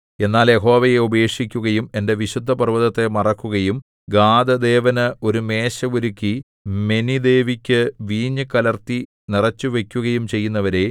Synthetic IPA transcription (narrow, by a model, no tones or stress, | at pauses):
e̞nːaːlje̞ɦo̞ːʋɐje̞ubɐe̞ːkʂikʲːuɣɐjume̞nde̞ʋiɕud̪ʱːɐpɐrʋɐðɐt̪ːe̞mɐrɐkːuɣɐjum | ɡaːd̪ɐd̪e̞ːʋɐnɨo̞ɾume̞ːɕɐʋuɾukʲːi | me̞nid̪e̞ːʋikʲːɨʋiːɲːɨkɐlɐrt̪i | nirɐt͡ɕːuʋe̞kʲːuɣɐjumt͡ɕe̞jːun̪ːɐʋɐɾe̞